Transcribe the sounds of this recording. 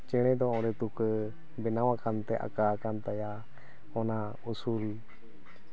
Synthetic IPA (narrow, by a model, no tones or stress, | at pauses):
t͡ʃɛɽ̃ɛ̃d̪ɔɔ̃ɾɛt̪uk | bɛnawãkant̪ɛʔa̰kakant̪aja | ɔna | usuːl